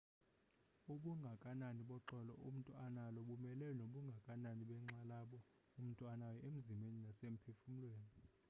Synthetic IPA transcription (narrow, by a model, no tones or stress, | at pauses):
uɓuŋɡʱakʼananiɓɔǁɔlɔ̰ʔum̩tʼuanalɔɓumɛlɛnoɓuŋɡʱakʼananiɓɛŋ͡ǁalaɓɔ | um̩tʼuanajɔʔem̩zimeninasem̩pʰefum̩lweːni